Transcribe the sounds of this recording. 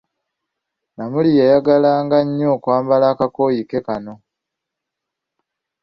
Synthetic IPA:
namulijajaɡalaːŋɡaɲːoːkwaːmbalaːkako̞ːjike̞kano̞

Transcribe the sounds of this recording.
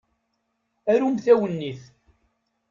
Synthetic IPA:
æɾumθæwənːiθ

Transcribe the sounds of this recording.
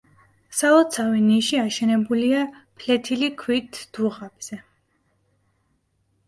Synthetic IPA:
salɔt̪sʰaviniʃiaʃɛnɛbuliapʰlɛt̪ʰilikʰwit̪ʰd̪̥uʁab̥z̥ɛ

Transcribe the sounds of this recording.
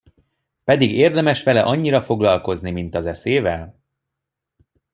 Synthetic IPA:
pɛd̪iɡeːrd̪ɛmɛʃʋɛlɛʔɒɲːiɾɒfo̞ɡlɒlko̞znimint̪ɒzɛseːvɛl

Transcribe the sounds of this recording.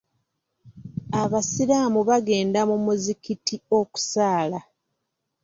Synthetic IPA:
aβasilaːmuβaɡe̞ːndamumuzikitio̞ku̥saːla

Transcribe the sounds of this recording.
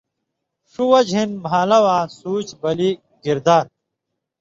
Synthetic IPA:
ʂuwɐd͡ʑʱinbʱaːlɐwaːsuːt͡ɕbɐli | ɡiɾd̪aːɾ

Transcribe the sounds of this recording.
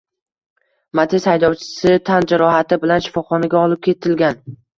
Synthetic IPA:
mat̪ʰeshajd̪ɒwt͡ʃʰɪ̥sɪt̪ʰand͡ʒaɾɒɦat̪ɪbɪlanʃɪ̥fɒχɒnaɡʲaɒlˠɪp̚kʲʰe̞t̪ʰɪlɡʲan

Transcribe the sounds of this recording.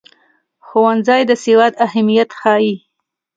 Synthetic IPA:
xowanzɑjd̪əsewɑd̪ahamijat̪xɑji

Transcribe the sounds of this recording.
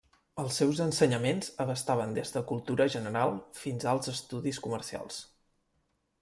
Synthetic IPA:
əlˠsːɛwzənsəɲəmenzəβəst̪aβ̞ənd̪ezðəkulˠt̪uɾəʒənəɾalˠfinzalˠzəst̪uðiskumərsia̰lˠs

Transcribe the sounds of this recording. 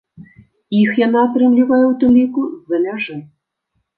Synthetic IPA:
ixjanaːt̪ɾɨmlʲivajɛwt̪ɨmlʲikuzɐmʲaʐɨ

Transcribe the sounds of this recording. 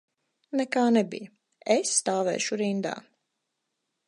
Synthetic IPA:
nɛkaːnɛbḭj | esːt̪aːvɛ̰ːʃuɾind̪a̰ː

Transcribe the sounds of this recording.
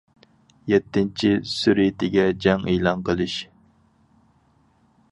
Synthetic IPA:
jɛt̪ʰːɪnt͡ʃʰisyɾit̪ɪɡʲɛd͡ʒɛŋejlˠɑnqʰəlˠɨɪʃ

